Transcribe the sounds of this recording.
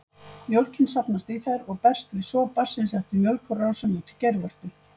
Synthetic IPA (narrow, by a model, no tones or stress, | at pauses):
mjowlcɪnsapnast̪iθɛɾɔɣpɛr̥st̪vɪðsɔpar̥sɪnsɛht̪ʏmjœwlkʏraːwsœnʏt̪ʰɪ̥lcejɾvœɾ̥t̪ʏ